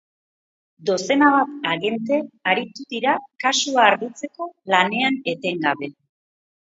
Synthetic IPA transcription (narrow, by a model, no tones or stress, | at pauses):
d̪o̞se̞naβat̪aɣe̞nt̪e̞aɾit̪uðiɾakasuaːɾɣit͡se̞ko̞lane̞ane̞t̪e̞ŋɡaβe̞